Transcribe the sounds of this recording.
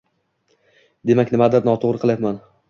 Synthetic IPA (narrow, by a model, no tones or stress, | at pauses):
d̪e̞makʲnɪmad̪ɪɾnɒt̪ʰoʁɾɨqʰɨlˠjapman